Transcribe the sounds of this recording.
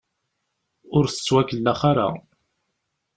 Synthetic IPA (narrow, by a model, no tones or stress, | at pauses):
ʊɾθə̥t͡sːwækəlːaχaɾa̰